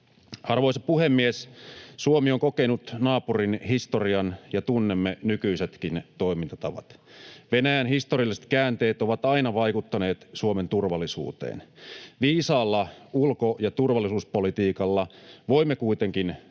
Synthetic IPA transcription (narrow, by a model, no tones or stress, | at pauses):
ɑrʋo̞isɑpuhemːiessuomioŋko̞kenut̪nɑːpurinɦist̪oriɑnjɑt̪unːemːenykyiset̪kint̪o̞imint̪ɑt̪ɑʋɑ̰t̪ʋe̞næjænhist̪oriɑlːˑise̥t̪kæːnt̪e̞ːt̪oʋɑt̪ɑinɑʋɑjkut̪ːɑne̞ːt̪suoment̪urʋɑlːˑisṵːt̪ḛːnʋiːsɑːlːɑulkojɑt̪urʋɑlːˑisuːspo̞lit̪iːkɑlːɑʋo̞imːekuijt̪eŋkin